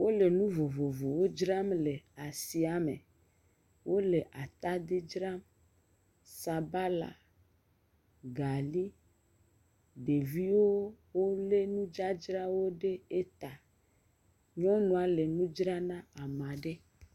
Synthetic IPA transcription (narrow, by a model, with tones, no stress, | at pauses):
wo˦le˨nũ˦vo˨vo˨vo˨wo˦d͡ʒɾa˦mle˨a˨si˨a˦mḛ̃˨ | wʔo˦le˨ʔa˨t̪a˦d̪e˦d͡ʒɾa˦m | sa˨ba˦la̰˨ | ɡa˨li˦ | ɖe˨vi˦wo˦ | wo˦le˦nũ˦d͡ʒa˦d͡ʒɾa˦wo˦ɖe˦e˦t̪a˨ | ɲɔ̃˦nũ˦a˨le˨nũ˦d͡ʒɾa˦nã˦a˨mã˨ɖe˦